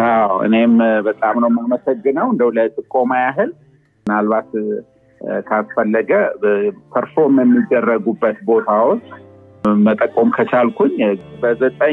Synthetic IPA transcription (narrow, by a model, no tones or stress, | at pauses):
ʔawɨ̰ne̞mbət̪ʼamnəwmaməsəɡːɨnəwɨnd̪əwlat̪ʼɨkʼːo̞majaɦɨl | mɨnalβat̪ | kʰasfəlːəɡəpʰəɾfo̞mjɛmːid̪ːərːəɡubːət̪bo̞t̪ʰawot͡ʃː | mət̪ʼəkʼːomkʰət͡ʃʰalkʰuɲbəzət̪ʼə